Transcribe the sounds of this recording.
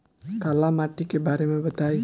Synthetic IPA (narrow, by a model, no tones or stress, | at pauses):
kalamaʈikebaːɾemẽbət̪aj